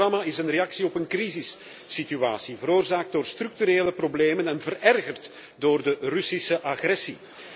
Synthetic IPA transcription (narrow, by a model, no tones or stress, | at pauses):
ɑmaɪsənrejɑksiɔpənkrizɪsː | itya̰ːsivəɾoːrzaːk̚t̚doːrst̪rʏk̚t̪yɾeːləprobleːmənɛnvərɛrɣərt | doːrdərysisəʔaɣrɛsi